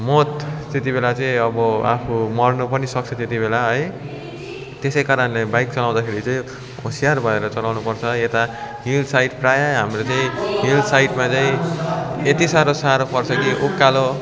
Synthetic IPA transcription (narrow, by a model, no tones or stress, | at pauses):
mot̪t̪et̪ibelat͡saĩʌbʌa̰pʰumʌrnupʌnisʌk̚t͡sʰʌt̪et̪ibelaɦʌj | t̪esʌjkaɾʌnlebajk̚t͡sʌlaw̃d̪akʰeɾit͡saĩ | ɦosijarbʱʌeɾʌt͡sʌlawnupʌrt͡sʰʌet̪aɦild̪sajʈprajaɦamrot͡saĩɦild̪sajʈmat͡saĩ | et̪isaɾosaɾopʌrt͡sʰʌkiʔukːalo